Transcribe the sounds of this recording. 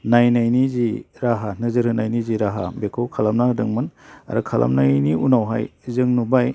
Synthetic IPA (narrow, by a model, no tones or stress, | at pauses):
najnajniziɾaɦanɯzɯɾhɯnajniziɾaɦa̰bekʰɯwkʰalamnadɯŋmɯna̰ɾɯkʰalʔa̰mnajniunawɦa̰jzɯŋnubaj